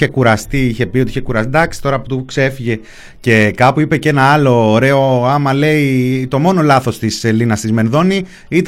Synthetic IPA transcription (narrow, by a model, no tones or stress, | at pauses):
e̞kuɾɐst̪iiçe̞piot̪içe̞kuɾɐst̪id̪ɐksi̥t̪o̞ɾɐːput̪uukse̞fiʝe̞ | ce̞kɐpuipe̞ce̞nɐɐlo̞ːɾe̞o̞ɐmɐle̞it̪o̞mo̞no̞lɐθo̞st̪iselinɐst̪izme̞nðo̞ni | it̪